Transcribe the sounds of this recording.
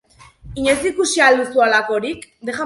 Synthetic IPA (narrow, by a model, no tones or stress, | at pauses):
iɲesikusiald̪usualako̞ɾikd̪eɣa